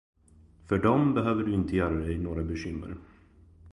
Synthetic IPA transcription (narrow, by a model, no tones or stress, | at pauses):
fœɖɔmbɛɦøːvəɖɵɪnt̪əjœːɾad̪ɛjnoːɡɾabɛɕʏmːə̰ɾ